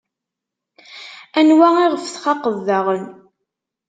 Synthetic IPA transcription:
ænwæɪʁəfθχɑqəðːɑʁən

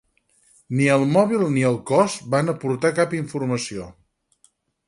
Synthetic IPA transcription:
niəlˠmɔβ̞ilˠniəlˠkɔst̪banəpuɾt̪akapiɱfurməsio

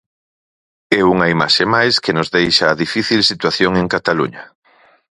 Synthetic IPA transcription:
ɛuŋɐima̰ʃemajskenozðejʃaːðifiθilsit̪waθjoŋeŋkat̪alṵɲɐ

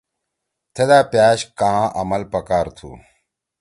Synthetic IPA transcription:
t̪ʰed̪aːpjaːɕkãʔɐmɐlpɐkaːɾt̪ʰṵː

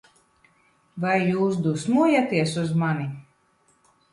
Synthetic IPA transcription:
vajːuːs̬d̪usmuɔjat̪iɛsuzmanʲi

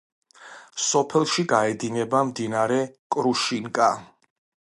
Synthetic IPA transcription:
sɔpʰɛlˠʃiɡaɛd̪inɛbamd̪inaɾɛkʼɾuʃiŋkʼa

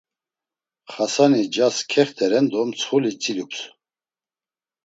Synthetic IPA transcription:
χasanid͡ʒaskʰɛχt̪ʰɛɾɛnd̪ɔmt͡sʰχulit͡sʼilups

